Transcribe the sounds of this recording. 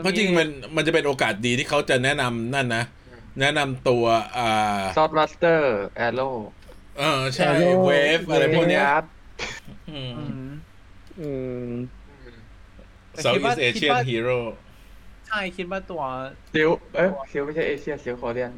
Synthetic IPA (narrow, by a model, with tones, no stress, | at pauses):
kʰɔ˥˩t͡ɕi˧ŋma˧nma˧nt͡ɕa˨˩pe˧nʔoː˧kaː˨˩t̪̚diː˧iː˥˩kʰa˦˥wt͡ɕa˨˩nɛ˦˥ʔna˧mna˥˩nːa˦˥ | nɛ˦˥na˧mt̪u˧ɐʔaː˨˩sɔː˦˥t̪̚ma˦˥st̪ɤː˥˩ʔɛ˧loː˥˩ | ʔɤː˧˩t͡ɕʰa˦˥˩jweː˧˦˥fʔa˧ɾa˧jʰu˥˩kni˦˥ɐ˥ | ʔɯː˧ | ɯ˧˩ | sa˧˦wʔi˦˥˩sʔeː˧i˥ə˨n˩ɦiː˧˥ɾoː˥˩ | t͡ɕʰa˥˩jkʰi˦t̪̚waː˥˩t̪u˧˩ɐsi˨˦˥wa˦˥˩ɔ˨˩si˦wma˥˩jt͡ɕʰa˥˩jʔeː˧sʰi˥˩əsi˨˦wkʰɔː˧˩li˥˩ən